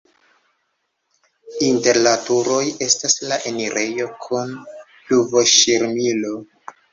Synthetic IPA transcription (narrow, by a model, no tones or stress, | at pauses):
inte̞ɾlatuɾo̞je̞staslaʔe̞niɾʔe̞jo̞kʰun | pluvo̞ʃiɾmilo̞